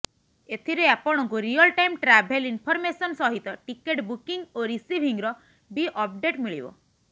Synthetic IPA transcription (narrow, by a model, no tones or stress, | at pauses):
et̪ʰiɾeapɔɽ̃ɔŋkuɾiɔlʈajmʈɾabʱelinpʰɔɾmesɔnsɔɦit̪ɔʈikeʈbukiŋɡoɾisibʱiŋɾɔ | biʔɔp̚ɖeʈmiɭḭbɔ̰